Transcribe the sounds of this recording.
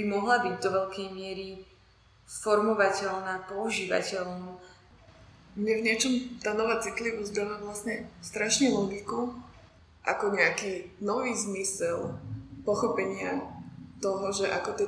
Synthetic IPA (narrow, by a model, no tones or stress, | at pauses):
bimɔɦlabiɟd̪ɔʋɛʎkɛjmɪɛɾi | fɔɾmɔʋacɛʎnaːpɔuʒiːʋa̰cɛlnu | mɲɛvɲɪɛt͡ʃɔmt̪aːnɔʋaːt͡sit̪liʋuzd̪alaʋlasɲɛst̪ɾaʃɲɛlɔɡiku | ʔa̰kɔɲɛakiːnɔʋiːzmisɛlpɔxɔpɛɲɪat̪ɔɦɔʒɛʔakɔt̪ɛ